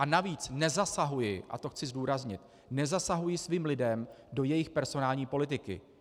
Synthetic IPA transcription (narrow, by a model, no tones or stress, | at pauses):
ʔanaviːt͡snɛzasaɦujɪʔa̰t̪oxt͡sɪzduːɾazɲɪt̪ | nɛzasaɦujɪsviːmlɪdɛmdo̞jɛjɪxpɛɾzo̞naːlɲiːpo̞lɪt̪ɪkɪ̰